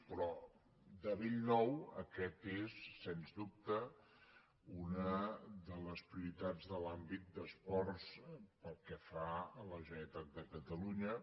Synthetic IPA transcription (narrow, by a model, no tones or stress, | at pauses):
pɾɔ | d̪əβiʎnɔwə̰kɛt̪esːenzdup̚t̪ə | unəðələspɾiuɾit̪ad͡zðəlambit̪̚d̪əspɔrspəlˠkɛfaələʒəət̪at̪̚d̪əkət̪əluɲə